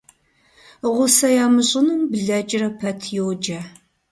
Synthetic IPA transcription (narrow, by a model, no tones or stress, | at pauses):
ʁʷʊsɐjaːmɨɕʼɪnɨmbɮɐd͡ʒʼɪrɐpʰɐtʰjowd͡ʒɐ